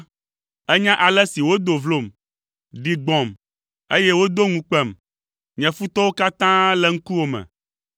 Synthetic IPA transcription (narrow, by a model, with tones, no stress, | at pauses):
ɛ˦ɲã˦ʔa˨lɛ˦si˨wo˦d̪o˨vlo˨m | ɖi˨ɡ͡bɔ̃˨m | e˦jɛ˦wo˦d̪o˦ŋũ˨k͡pɛ˦˨m | ɲɛ̃˨fu˦t̪ɔ˦wo˦ka˦t̪ã˦lɛ˦ŋ̩˦ku˦wo˨mɛ̰̃˨